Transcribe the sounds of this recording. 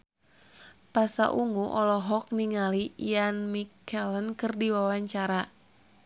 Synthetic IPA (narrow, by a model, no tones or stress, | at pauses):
pasa̰ʔuŋuʔɔlɔɦɔk̚niŋalijanmikɛlənkɨrdiwawaɲt͡ʃaɾa